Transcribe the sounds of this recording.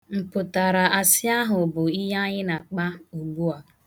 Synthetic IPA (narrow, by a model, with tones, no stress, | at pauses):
m̩˨pʊ˨ta˨ɾa˨a˨sɪ˦a˦ɦʊ˨bʊ˨i˦ɦa˦ɲɪ˦na˨k͡pa˦u˨ɡ͡bu˦a˨